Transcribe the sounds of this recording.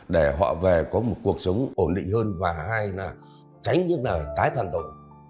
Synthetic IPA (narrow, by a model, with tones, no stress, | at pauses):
ɗe˧˩ɦwa̰ː˧˨ve˨˩kɔ˨˦mo˨˩t̚ku˨˩ək̚sə˨˦wŋ͡mʔo˧˩nɗḭ˧˨ŋ̟həː˧nvaː˨˩haː˧jlaː˨˩ | t͡ɕa˨˦jŋ̟ɲɨ˦˥k̚laː˨˩t̪aː˨˦jt̪ʰaː˨˩nt̪o̰˧˨